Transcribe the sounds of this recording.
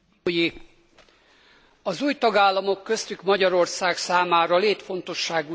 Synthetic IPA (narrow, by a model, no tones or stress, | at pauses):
ji | ɒzuːjt̪ɒɡaːlːɒmo̞kːø̞st̪ykmɒɟɒɾo̞rsaːksaːmaːɾɒleːt̪fo̞nt̪o̞ʃːaːɡu